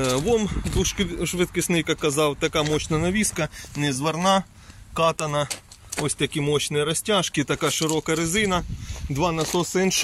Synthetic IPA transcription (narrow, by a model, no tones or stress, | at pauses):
ʋɔmbuʃʃʋɪt̪kɪsnɪjkɐkːɐzɑwt̪ɐkɑmɔɕnɐnɐʋʲiskɐnɛzʋɐrnɑ | kɑt̪ɐnɐɔsʲt̪ɐkʲimɔt͡ɕnɪɾɐsʲtʲaʃkʲɪt̪ɐkɑʃɪɾɔkɐɾɪzɪnɐd̪ʋɑnɐsɔsɛnʃ